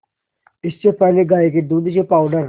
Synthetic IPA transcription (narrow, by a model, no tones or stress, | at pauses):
ɪst͡ʃepɛɦleɡaːiked̪uːd̪ʃepaːʊɖəɾ